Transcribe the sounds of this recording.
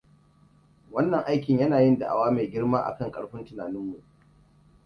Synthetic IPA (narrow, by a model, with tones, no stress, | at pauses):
wɐ˦nːɐ˨ŋʔa˦jk̬ʲɪ˨ɲjɐ˦naː˨jɪ˦nda̰˨ʔa̰˨waː˦meː˨ɡʲɪ˦ɽmaː˦ʔa̰˨kɐ˦ŋkʼɐ˨ɽɸɪ˦ntɪ˨naː˨nɪ˦mːu˨ʔ